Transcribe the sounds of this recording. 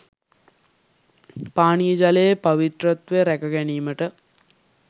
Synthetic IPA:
paːnijəd͡ʒaləjepɐʋit̪rət̪ʋeɾækəɡæniːməʈə

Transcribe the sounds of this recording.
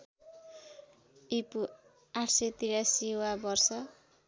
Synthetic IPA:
ipu | aʈʰset̪iɾasiwabʌrsʌ

